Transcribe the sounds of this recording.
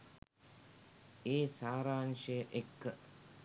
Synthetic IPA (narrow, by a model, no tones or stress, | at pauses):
eːsaːɾaːnʃəjəʔekːə